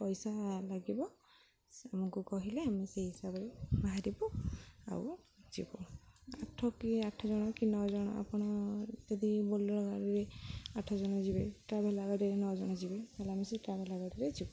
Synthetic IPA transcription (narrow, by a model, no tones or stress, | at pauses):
pɔjsalaɡibɔ | amɔkukɔɦileamiseɦisabebaɦaɾibɔa̰w | d͡ʒḭbɔ̰aʈʰɔkiaʈʰːɔzɔñɔkinɔzɔɽ̃ɔ̰a̰pɔɽ̃ɔt̪ed̪ibɔlɔɾɔɡaɾiɾeaʈʰɔzɔnɔd͡ʒibeʈɾabʱelaɡaʈɛɾenɔd͡ʒɔɽ̃ɔd͡ʒibɛalamiseʈɾabʱelaɡaʈiɾed͡ʒibɔ